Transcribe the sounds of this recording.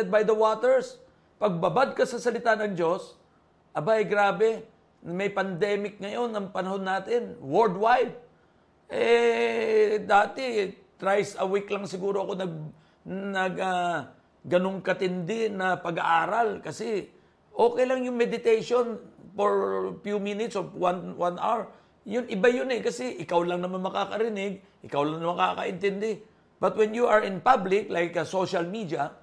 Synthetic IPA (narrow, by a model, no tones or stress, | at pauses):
ɛd̪̚bajd̪ɐwaːt̪ɛɹs | pɐɡ̚bɐbad̪̚kɐsɐsɐlɪt̪anɐŋd͡ʒo̞s | ʔɐbaʔɛjɡɾaːbɛ | mɐjpɐnd̪ɛːmɪk̚ŋɐjo̞nɐŋpɐnɐho̞nːaːt̪ɪnwoɹd̪wajd̪̚ | ʔɛ | d̪aːt̪ɪt̪ɾajsɐwiklɐŋsɪɡuːɾoɐko̞nɐɡ̚ | nɐɡa | ɡɐnoŋkɐt̪ɪnd̪ɛnɐpɐɡa̰ʔaːɾɐlkɐsɛ | ʔo̞ːkɛjlɐŋjʊŋmɛd̪ɪt̪ejʃonfoɹfjuminɪt̪sowanwanʔa̰wɹ | jʊnʔɪbajʊnɛkɐsɛʔɪkawlɐŋnɐmɐnmɐkakɐɾɪnɪɡ | ʔɪkawlɐŋnɐmɐkakɐ̰ʔɪnt̪ɛnd̪ɛ | b̥ɐt̪̚wɛnjuʔɐɹɪ̃npablɪklajkɐsoʃɐlmid̪ɐ